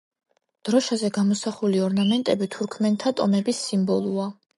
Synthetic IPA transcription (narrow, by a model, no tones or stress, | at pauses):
d̪̥ɾɔʃazɛɡamɔsaχuliɔɾnamɛnt̪ʼɛbit̪ʰuɾkʰmɛnt̪ʰat̪ʼɔmɛbisːimbɔlˠua